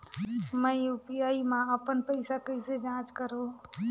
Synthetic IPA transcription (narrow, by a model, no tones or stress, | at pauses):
məjupjaːimãəpənpəɪsakəised͡ʒãːt͡ʃkəɾo